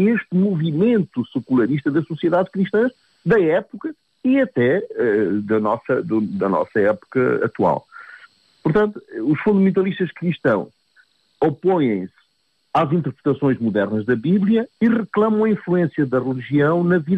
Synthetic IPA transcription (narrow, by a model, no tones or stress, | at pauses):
eʃt̪muvimẽnt̪usɨkulˠɐɾiʃt̪ɐðɐsusieðaðkɾiʃt̪ɐ̃ʃ | d̪ɐɛpukɐ | iɐt̪ɛɛd̪ɐnɔsɐd̪ud̪ɐnɔ̰sɐɛpu̥kɐ̰ɐ̰t̪wa̰lˠ | puɾt̪ɐ̃nt̪uuʃfũd̪ɐmẽnt̪ɐlˠiʃt̪ɐʃkɾiʃt̪ɐ̃w̃ʃ | ɔpõjẽj̃s | azĩnt̪ɨɾpɾɨt̪ɐsõj̃ʒmuðɛɾnɐʒðɐβiβlˠiɐiʁɨklˠɐmɐ̃w̃ɐĩflˠuẽsjɐðɐʁɨlˠiʒiɐ̃w̃nɐvið